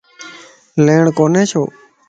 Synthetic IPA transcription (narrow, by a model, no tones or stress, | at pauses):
leːɳkoːnẽːt͡ʃʰo̰ː